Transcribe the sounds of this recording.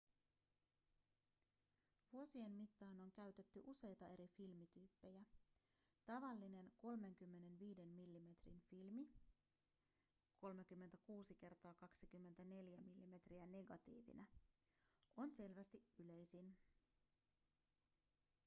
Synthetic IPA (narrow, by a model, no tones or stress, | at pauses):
ʋuo̞sie̞nmit̪ːɑːno̞ŋk̟æɥt̪e̞t̪ːyʔuse̞jt̪ɑe̞ɾifilmit̪yːpːe̞jæ | t̪ɑʋɑlːine̞nko̞lme̞ŋk̟ymːe̞ne̞nʋiːde̞nmilːime̞t̪rinfilmi | kʰo̞lmek̟ymːent̪ækuːsik̟e̞rt̪ɑːkɑksik̟ymːe̞nt̪æne̞ljæmilːime̞t̪riæne̞ɡɑt̪ḭːʋḭnæ | o̞nse̞lʋæst̪iyle̞jsin